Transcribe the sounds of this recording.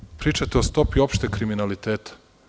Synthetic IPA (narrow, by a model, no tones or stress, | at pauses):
pɾiːt͡ʃat̪eost̪o̞pio̞pʃt̪ekɾiminalit̪eːt̪ḁ